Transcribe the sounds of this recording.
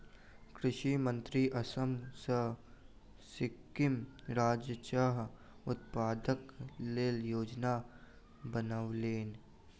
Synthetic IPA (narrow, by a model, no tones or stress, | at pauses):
kɾɪʃimə̃nt̪ɾiʔɐsəmsə | sɪkːɪmɾaːd͡ʒət͡ʃaːɦ | ʊt̪̚paːd̪əkleːljoːd͡ʒna | bənaʋleːn